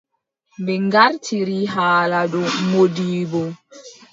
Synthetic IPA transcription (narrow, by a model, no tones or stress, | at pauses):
mbɛŋɡaɾtʰiɾiɦaːladɔmodiːbɔ